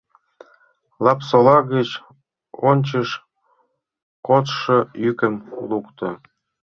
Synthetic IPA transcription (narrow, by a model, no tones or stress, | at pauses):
lˠɑpsolɑɣət͡ɕ | onʲt͡ɕəʃ | kot̪ʃɤ̆jykəmlukt̪ɤ̆